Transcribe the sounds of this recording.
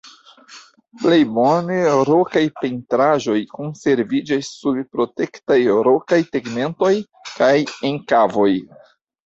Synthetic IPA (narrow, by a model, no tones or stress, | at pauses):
ple̞jbo̞ne̞ɾo̞kajpentɾaʒo̞jko̞nse̞ɾvid͡ʒasːubpɾo̞te̞ktajɾo̞kajteɡme̞nto̞j | kajeŋkavo̞j